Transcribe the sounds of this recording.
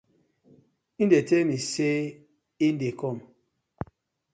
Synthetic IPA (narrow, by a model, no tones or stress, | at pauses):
indetemise | indekɔm